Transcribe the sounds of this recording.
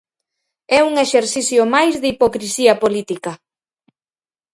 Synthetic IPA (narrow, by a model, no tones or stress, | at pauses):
ɛuŋeʃeɾθiθjʊmajzðipokɾisiɐpolit̪ikɐ